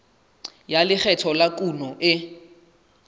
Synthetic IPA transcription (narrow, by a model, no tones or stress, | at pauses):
jalɪχʰɛtʰɔlakʼunɔʔɪ